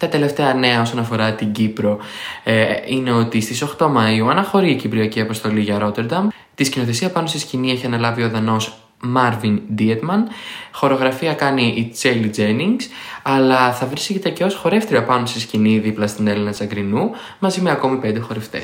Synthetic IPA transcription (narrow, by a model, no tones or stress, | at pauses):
t̪ɐt̪e̞le̞ft̪e̞ɐne̞ɐo̞so̞nɐfo̞ɾɐt̪iɟipɾo̞ | ine̞o̞t̪ist̪iso̞xt̪o̞mɐiuɐnɐxo̞ɾiːcibɾiɐciɐpost̪o̞liʝɐɾo̞t̪e̞ɾd̪ɐm | t̪iscino̞θe̞siɐpɐnost̪iscinie̞çiɐnɐlɐvioɾðɐno̞s | mɐɾvind̪iet̪mɐnxo̞ɾeo̞ɣɾɐfiɐkɐniʔit͡selid͡zeniŋɡsɐlɐθɐvɾiscet̪eceo̞sxo̞ɾe̞ft̪eɾopɐnost̪isciniðiplɐst̪ine̞linɐt͡sɐɡɾinu | mɐzimeɐko̞mipe̞nd̪e̞xo̞ɾe̞ft̪e̞̰s